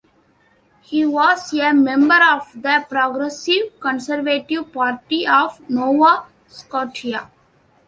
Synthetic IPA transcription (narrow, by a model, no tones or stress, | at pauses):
hiːʋɔːzemẽmbəɾɔːʋd̪əpɾɔːɡɾesiʋkə̃nsəɾʋeʈiʋpaːɾʈiɔːʋnoːʋa | skɔːʈia